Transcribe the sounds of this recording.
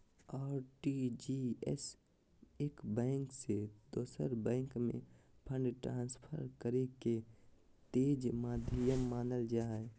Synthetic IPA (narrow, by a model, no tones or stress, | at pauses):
aːɾʈid͡ʒiːɛ̰s | ekbɛ̃ːŋksed̪̥oːsəɾbɛ̃ːŋkmḛ̃pʰə̃ɳɖʈɾãːnspʰəɾkəɾeket̪eːd͡ʒmaːd̪ʱijəmːaːnəld͡ʒaːɛ